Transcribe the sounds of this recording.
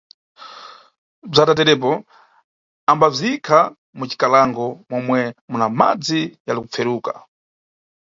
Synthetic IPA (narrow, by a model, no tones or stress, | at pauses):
b͡ʐatatɛɾɛp̬ɔ | ambab͡ʐiikʰa | mut͡ʃi̥kalaŋɡɔmɔmwɛmunama̰d͡zijalikup͡fʰɛɾuːka